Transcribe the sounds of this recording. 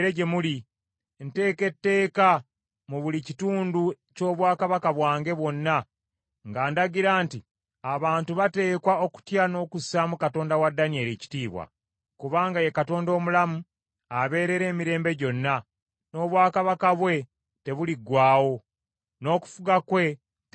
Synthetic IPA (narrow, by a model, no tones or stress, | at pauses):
ɾeɟe̞muli | nte̞ːke̞tːe̞ːka | muβulicituːndu | co̞ːβwaːkaβakaβwaːŋɡe̞βwo̞nːa | ŋɡaːndaɡiɾaːnti | aβaːntuβate̞ːkwao̞ku̥tjano̞ːkusamukato̞ːndawadːanie̞ːɾici̥tiːβwa̰ | kuβaːŋɡaje̞kato̞ːndo̞ːmulamu | aβe̞ːɾe̞ɾe̞ːmiɾe̞ːmbe̞ɟo̞nːa | no̞ːβwaːkaβakaβwe̞ | te̞βuliɡwaːwo̞ | no̞ːku̥fuɡakwe̞